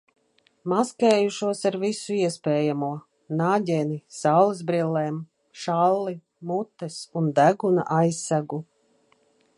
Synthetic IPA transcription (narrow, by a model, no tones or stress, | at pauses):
maskɛːjuʃuɔsaɾvisuiɛspɛːjamuɔ | naːɟʲɛnisawlˠizbɾilːeːm | ʃalˠːi | mut̪ːɛsund̪æɡuna̰ʔajsːaɡu